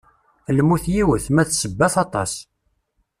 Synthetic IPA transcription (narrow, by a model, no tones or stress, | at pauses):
lmuθjiwəθmæθsəbːæθɑt̪ˤɑ̰s